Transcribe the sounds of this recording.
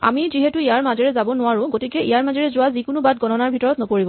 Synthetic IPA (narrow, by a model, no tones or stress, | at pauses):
a̰miziɦɛtuijaɹmazɛɹɛzabɔnʊwaɹʊ̃ɡotikɛḭjaɹmazɛɹɛzʊwazikʊnʊbat̚ɡɔnɔnaɹbʱitɔɹɔtnɔpoɹibɔ